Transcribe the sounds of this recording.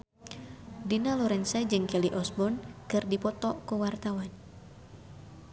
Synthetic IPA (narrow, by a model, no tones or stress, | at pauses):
dinalɔɾɛnsad͡ʒɨŋkɛliʔɔsbɔnkɨrdipɔt̪ɔkuwart̪awan